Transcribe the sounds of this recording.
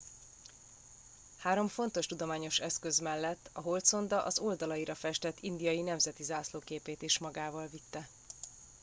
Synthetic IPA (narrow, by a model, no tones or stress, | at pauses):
haːɾo̞ɱfo̞n̪t̪o̞ʃt̪ud̪o̞maːɲo̞ʃɛskø̞zmɛlːɛt̪ːɒɦolt̪so̞nd̪ɒʔɒzo̞ld̪ɒlɒjiɾɒfɛʃt̪ɛt̪ːind̪ijɒjinɛmzɛt̪izaːsloːkeːpeːt̪iʃmɒɡaːvɒlvit̪ːɛ